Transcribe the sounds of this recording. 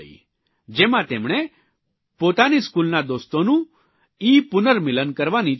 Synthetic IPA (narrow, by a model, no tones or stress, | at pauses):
i | d͡ʒemãt̪emɳ̃e | pot̪aniskulnad̪ost̪onũ | ipʊnəɾmilənkəɾʋani